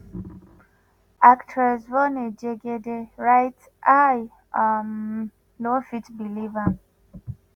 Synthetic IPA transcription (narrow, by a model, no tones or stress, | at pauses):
aktʰɛzwɔned͡ʒeɡedeɹajt | ʔaj | am | nofitbiliva